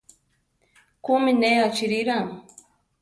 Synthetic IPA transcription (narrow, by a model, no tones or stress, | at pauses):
kumineat͡ʃiɾiɾaŋ